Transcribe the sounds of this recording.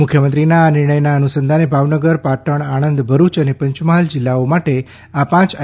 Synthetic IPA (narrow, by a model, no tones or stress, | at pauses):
mʊkʰjəmənt̪ɾinaːnɪɾɳəjnaənusənd̪ʱanebʱaʋnəɡəɾpaʈəɳ̃aɽ̃ənd̪bʱəɾut͡ʃənepə̃ɲt͡ʃmaɦəld͡ʒɪlːaomaʈe | apãt͡ʃ